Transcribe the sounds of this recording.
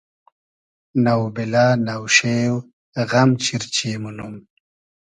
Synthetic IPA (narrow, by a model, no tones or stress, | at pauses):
nawbilaːnawʃeːw | ɣamt͡ʃiɾt͡ɕiːmunum